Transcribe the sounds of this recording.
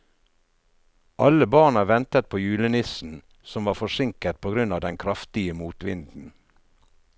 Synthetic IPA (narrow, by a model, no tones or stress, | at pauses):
ʔɑləbɑːɳəʋɛnt̪ət̪̚pʰoːjʉːlənɪsn̩ | sɔmʋɑːfɔʂɪŋkət̪̚pʰoːɡɾʉnɑːʋd̪ɛnkʰɾɑft̪ɪəmuːt̪ʋɪ̰nd̪n̩